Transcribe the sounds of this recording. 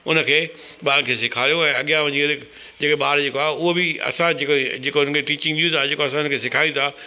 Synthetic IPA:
ʊnəkʰeːɓaːɾkʰeːsɪkʰaːɾijõɛ̃ːɐɠijãʋɐ̃ɲd͡ʑiɐdɪkd͡ʑeːkeɓaːɾd͡ʑeːkoaːɦʊɦobɪɐ̰sãd͡ʑekd͡ʑeːkoɦʊnəkʰeʈiːt͡ɕɪ̃ŋɡʋiuːzaːd͡ʑeːkoɐs̬ãʊnəkʰeːsɪkʰaːjũt̪ʰa

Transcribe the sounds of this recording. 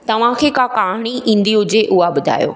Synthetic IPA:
t̪ɐʋ̤ãkʰeːkaːkaːɦɪɽ̃iĩːn̆d̪iɦʊd͡ʑeʔʊɦaɓʊd̪ʱa̰ːjo̰ː

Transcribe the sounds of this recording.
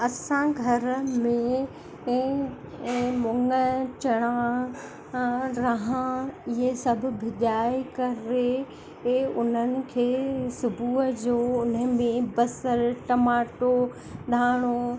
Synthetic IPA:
ɐsãɡʱɐɾmẽ | mʊŋət͡ɕɐɽ̃ã | ɾɐɦãɪɦesɐbʱʊ̆bʱɪʄaːikɐɾe | ʊn̤ənɪ̆kʰeːsʊbʱuːəd͡ʑoːʊnəmẽbɐsəɾʈɐmaːʈo | ɗʱaːɽ̃o

